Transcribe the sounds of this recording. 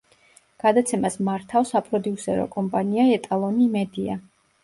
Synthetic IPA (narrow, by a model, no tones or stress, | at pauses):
ɡ̥ad̪at̪sʰɛmasmaɾt̪ʰafsapʼɾɔd̪iusɛɾɔ̰kʼɔmpʼaniaɛt̪ʼalˠɔnimɛd̪ia̰